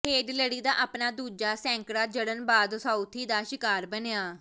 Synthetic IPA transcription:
ɦeːɖləɽiːd̪aːʔaːpnaːd̪uːd͡ʒaːsɛ̃ːŋkɾaːd͡ʒəɽənbaːd̪saːʊt̪ʰiːd̪aːʃɪkaːɾbəneaː

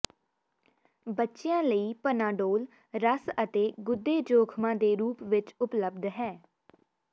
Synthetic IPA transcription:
bətːʃejãːləiːpənãːɖoːl | ɾəsət̪eːɡʊd̪ːeːd͡ʒoːkʰmãːd̪eːɾuːpʋɪt͡ʃʊpləbd̪ɦɛː

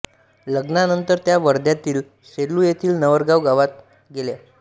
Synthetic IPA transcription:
ləɡnanənt̪əɾt̪jaʋəɾd̪jat̪iːl | seɾluːjet̪ʰiːlnəʋəɾɡaʋɡaʋat̪̚ | ɡelja

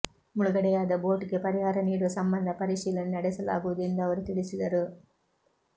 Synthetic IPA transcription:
muɭuɡɐɽɛjaːd̪ɐboːʈɡe̞pɐɾiɦaːɾɐniːɽuʋɐsɐmbɐnd̪ʱɐpɐɾiʂiːlɐnunɐɽɛsɐla̰ːɡɯʋɐd̪end̪ɐɐʋɐɾut̪iɭisid̪ɐɾu

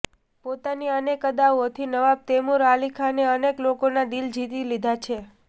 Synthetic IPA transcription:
pot̪aniənekəd̪awot̪ʰinəʋab̚t̪emuɾalikʰaneəneklokonad̪ild͡ʒʱit̪ilid̪ʱat͡ʃʰe

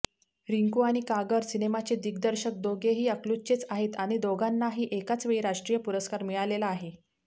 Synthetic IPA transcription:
ɾiŋkuaɽ̃ikaɡəɾsinemat͡ɕed̪ikd̪əɾɕək̚d̪oɡeɦiːəklut͡ɕet͡saɦet̪aɽ̃id̪oɡʱanːaɦiːʔekat͡sʋeiɾaʂʈɾijəpuɾəskaɾmiɭalelaːɦe

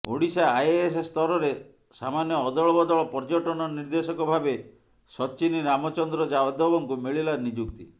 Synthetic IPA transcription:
oɽisaːjesest̪ɔɾɔɾe | sa̰manjɔːd̪ɔɭɔbɔd̪ɔɭɔpɔɾd͡ʒɔʈɔnɔniɾd̪esɔkɔbʱabe | sɔt͡ʃiniɾamɔt͡ʃɔnd̪ɾɔd͡ʒaɔd̪ɔbɔŋkumiɭilaɾnid͡ʒuɡt̪ḭ

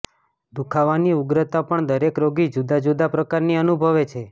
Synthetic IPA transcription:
d̪ukʰaʋaniuɡɾət̪apəɳd̪əɾekɾoɡid͡ʒud̪ad͡ʒud̪apɾəkaɾniənubʱəʋet͡ʃʰe

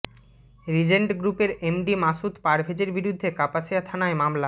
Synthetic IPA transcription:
ɾid͡ʑeɳʈɡɾupeɾemɖimaʃut̪paɾbʱed͡ʑeɾbiɾud̪ʱːekapaʃiat̪ʰanaemamla

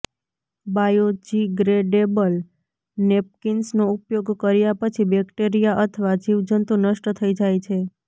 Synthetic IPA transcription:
bajod͡ʒiɡɾeɖebəl | nep̚kinsnoupjoɡkəɾjapət͡ʃʰibɛkʈeɾijaʔət̪ʰəʋad͡ʒiʋd͡ʒənt̪unəʃʈət̪ʰəid͡ʒajt͡ʃʰe

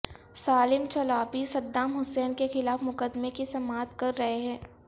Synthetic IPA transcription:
saːlɪmt͡ʃɐlaːpisɐd̪ːaːmɦʊsɛːnkexɪlaːfmʊkəd̪mekisɐmaːt̪kɐɾːɐɦeɦɛ̃ː

